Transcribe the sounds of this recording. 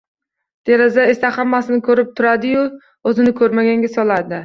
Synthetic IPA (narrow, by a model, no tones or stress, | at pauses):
d̪̥e̞ɾazae̞sahamːasɪnɪkʰɵɾɪp̚t̪ʰʊɾad̪ɪjʊ | ɵzɪnɪkʰɵɾmaɡʲaŋɡʲasɒlˠad̪ɪ